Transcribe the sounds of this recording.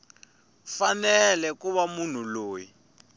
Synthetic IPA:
fanɛlɛkuβamun̤uloːji

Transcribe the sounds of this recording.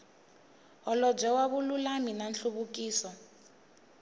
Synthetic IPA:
ɦɔlɔb͡ʐɛwaβululaminanɬuβuk̬ʼiːsɔ

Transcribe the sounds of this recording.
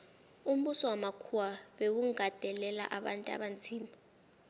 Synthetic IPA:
um̩ɓusɔwamakʰuwaɓewuŋɡʱad̥ʱɛlɛla̰ʔaɓantʼa̰ɓant͡sʰiːma

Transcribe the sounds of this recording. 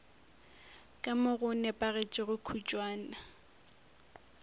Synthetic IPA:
kʼamʊɣʊnɛpʼaɣet͡ʃʼɪɣʊkʰut͡ʃʼwaːna

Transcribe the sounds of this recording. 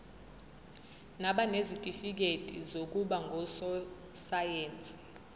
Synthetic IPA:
naɓanezitʼifik̬etʼḭzok̬ʼuɓaŋɡʱɔsɔ | sajeːnt͡sʼi̥

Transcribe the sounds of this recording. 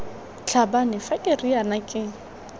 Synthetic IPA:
t͡ɬʰabanɪfakʼɪrianakʼɪ

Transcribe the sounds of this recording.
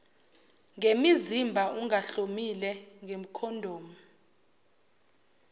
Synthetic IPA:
ŋemizimbʱauŋaɬomilɛŋem̩kʰɔndʱoːmu

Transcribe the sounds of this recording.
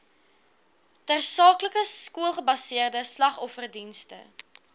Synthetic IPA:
tærsɑːkləkəskuəlˠχəbɐsiərdəslɐχɔfərdinstə̰

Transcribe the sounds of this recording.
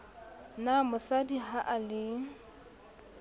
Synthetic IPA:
namʊsadiɦaʔalɪ

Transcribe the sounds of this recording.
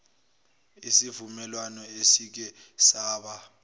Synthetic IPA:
isivumɛlwanɔesik̬ɛ | saːɓa

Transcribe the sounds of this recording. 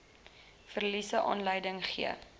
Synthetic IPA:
fərlisəʔɑ̰ːnləjdəŋχḭə̰

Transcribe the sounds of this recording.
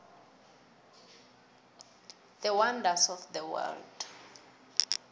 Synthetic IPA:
ð̥əwandasɔfdəwɛ̰ld̥

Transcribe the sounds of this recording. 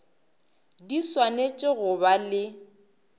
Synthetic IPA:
diswanet͡ʃʼɪɣʊbalɪ

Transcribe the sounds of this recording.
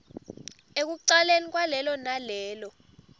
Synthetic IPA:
ek̬uǀalenik̬ʼwalɛlɔnalɛːlɔ

